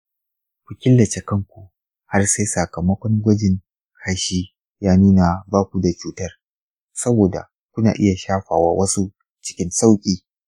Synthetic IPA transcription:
kʷu˨kʲɪ˦lːɐ˨t͡ʃe˨kɐ˦ŋkʷu˨ | ha˦rse˦jsɐ˨kɐ˨mɐ˦kʷɔ˦ŋɡʷɐ˦d͡ʒɪ˨ŋ | ha˦ʃiː˦ | jaː˦nuː˦na˨baː˦kʷu˨da˨t͡ʃuː˦tɐ˦r | sɐ˦boː˨da̰˨ | kʷʊ˦na̰ː˨ʔɪ˦ja˨ʃaː˦ɸaː˨wa̰ː˦wʔɐ˦su˦ | t͡ʃɪ̥˦kʲɪ˦nsa˦wkʲʼiː˨

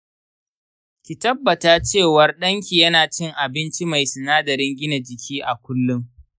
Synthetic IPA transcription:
kʲi˨tɐ˦bːɐ˨taː˦t͡ʃeː˦˨wɐ˨rɗɐ˦ŋkʲi˨jɐ˦naː˨t͡ʃɪ˦ŋʔa˨bɪ˦nt͡ʃi˦ma˨jsʊ˨naː˦dɐ˨ɾɪ˦ŋɡʲɪ˦na˨d͡ʒɪ˨kʲʰiː˦ʔa˨kʷʊ˦lːʊ˦ŋ

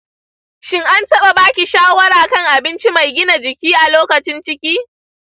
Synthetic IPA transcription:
ʃɪ˦ŋʔa˦ntɐ˦ɓa˨baː˦kʲi˨ʃaː˦wɐ˦ɾaː˨kɐ˦ŋʔa˨bɪ˦nt͡ʃi˦ma˨jɡʲɪ˦na˨d͡ʒɪ˨kʲiː˦ʔa˨loː˦kɐ˨t͡ʃɪ˦nt͡ʃɪ˦kʲiː˦

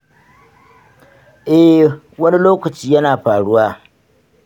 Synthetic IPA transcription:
ʔɛ˦ | wɐ˦ni˦loː˦kɐ˨t͡ʃiː˦jɐ˦naː˨ɸaː˨ɽʊ˦waː˦

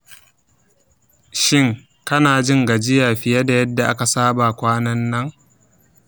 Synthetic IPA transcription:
ʃɪ˦ŋ | kɐ˦naː˨d͡ʒɪ˦ŋɡa˨d͡ʒɪ˦ja˨ɸɪ˨jɐ˦da˨jɐ˦dːa˨ʔa˦ka˨saː˦ba˨kʷaː˦nɐ˦nːɐ˦ŋ

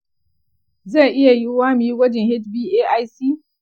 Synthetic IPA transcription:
ze˦˨ʔɪ˦ja˨ji˦waː˦miː˨˦wɐ˦d͡ʒɪ˨hɪ˦tbiː˦ʔeː˦ʔa˦jsiː˦

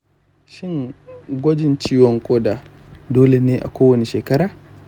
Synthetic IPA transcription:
ʃɪ˦ŋɡʷɐ˦d͡ʒɪ˨nt͡ʃiː˦wɔ˨ŋkʷʼoː˦daː˨ | doː˦le˨neː˦ʔa̰˨kʷoː˦wɐ˨ne˨ʃeː˨kɐ˦ɾaː˨

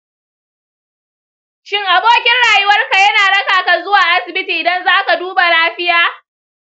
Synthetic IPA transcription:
ʃɪ˦ŋʔa˨boː˦kʲɪ˦nɽaː˨jɪ˦wɐ˦rka˨jɐ˦naː˨ɽɐ˦kaː˨ka˨zʊ˦waː˨ʔa˦sɪ˨bɪ˦tiː˨ʔɪ˨dɐ˦nzaː˦ka˨duː˦ba˨laː˦ɸɪ˦jaː˦

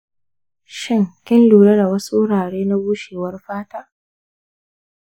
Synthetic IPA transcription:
ʃɪ˦ŋkʲɪ˦nluː˨ɽɐ˦da˨wɐ˦su˦ʔʊ˦ɽaː˨ɽeː˦na˦buː˦ʃeː˨wɐ˦rɸaː˦taː˦

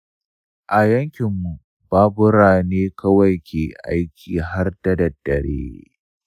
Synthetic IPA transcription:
ʔa˨jɐ˦ŋkʲɪ˨mːu˨ | baː˦bʊ˦ɾaː˨neː˦kɐ˦wɐ˨jkʲeː˨ʔa̰˦jkʲʰiː˨ɦa˦rtɐ˦˨dɐ˨dːɐ˨ɾḛː˦

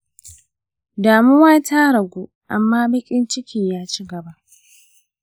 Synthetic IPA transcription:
daː˨mʊ˦waː˦tʰa˦ɾɐ˨ɡʷuː˦ | ʔa̰˨mːaː˦bɐ˦kʲʼɪ˦nt͡ʃɪ˦kʲʰiː˨jaː˦t͡ʃi˦ɡɐ˨ba˦ʔ

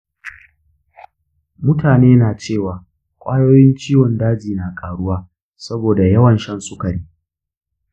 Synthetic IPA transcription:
mʊ˦taː˨neː˦naː˨t͡ʃeː˦˨waː˨ | kʷʼaː˦joː˦jɪ˦nt͡ʃiː˦wɔ˨ndaː˦d͡ʒiː˨naː˨kʼaː˨ɽʊ˦waː˦ | sɐ˦boː˨da˨jɐ˦wɐ˨nʃɐ˦nsʊ˦kɐ˨ɽiː˦

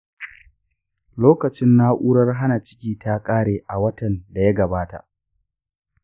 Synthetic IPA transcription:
loː˦kɐ˨t͡ʃɪ˦nːa˦ʔuː˦ɽɐ˦rɦa˦na˨t͡ʃɪ̥˦kʲiː˨ta˦kʼaː˦ɽeː˨ʔa˨wɐ˦tɐ˨nda˨ja˦ɡɐ˨baː˦ta̰˨ʔ

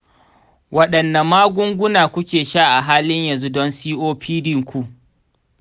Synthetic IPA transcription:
wɐ˦ɗɐ˨nːa˨maː˦ɡʷʊ˦ŋɡʷʊ˦naː˨kʷʊ˦kʲeː˨ʃaː˦ʔa˨ɦaː˦lɪ˦ɲjɐ˨zu˦dɔ˦nsiː˦ʔoː˦ɸiː˦dɪ˦ŋkʷu˦ʔ

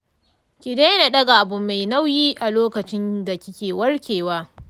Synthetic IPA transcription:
kʲɪ˨deː˦jna˨ɗɐ˦ɡa˨ʔa˨bʊ˨mːa˨jna˦wjiː˦ʔa˨loː˦kɐ˨t͡ʃɪ˦nda˨kʲɪ˦kʲeː˨wɐ˦rkʲeː˨waː˦

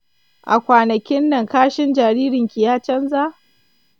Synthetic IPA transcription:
ʔa̰˨kʷaː˨nɐ˨kʲɪ˦nːɐ˨ŋkaː˦ʃɪ˦nd͡ʒaː˨ɾiː˦ɾɪ˨ŋkʲi˨jaː˦t͡ʃɐ˦nza˦ʔ

